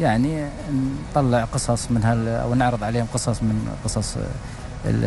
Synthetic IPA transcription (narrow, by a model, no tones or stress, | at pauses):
jaʕni | nt̪ˤːɑlːəʕqɨsˤɑsˤmənɦæla̰wnʊʕɾəd̪ˤʕaleːhʊmqəsˤɑsˤmənqəsˤɑsˤ | ə̰